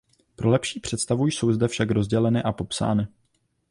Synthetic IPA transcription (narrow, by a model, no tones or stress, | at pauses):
pɾʔo̞lɛpʃiːpr̝̥ɛt̪st̪avujso̞wzdɛfʃakɾo̞zɟɛlɛnɪʔapo̞psa̰ːnɪ